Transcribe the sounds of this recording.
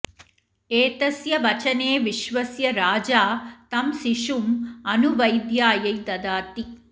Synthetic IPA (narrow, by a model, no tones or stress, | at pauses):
eːt̪ɐsjɐʋɐt͡ʃɐneːʋiʃʋɐsjɐɾaːd͡ʒaːt̪ɐmsiʃumɐnuʋɐjd̪jaːjɐjd̪ɐd̪aːt̪i